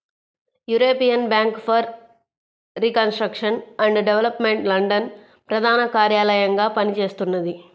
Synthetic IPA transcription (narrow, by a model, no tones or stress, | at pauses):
juːɾoːpijɐnbjaːŋkpʰɐɾː | ikɐnsʈɾɐkʂɐnɐɳɖɖeʋɐlɐpme̞ɳʈlɐɳɖɐn | pɾɐd̪ʱaːnɐkaːɾjaːlɐjɐŋɡaːpɐnit͡ʃe̞ːst̪unːɐd̪i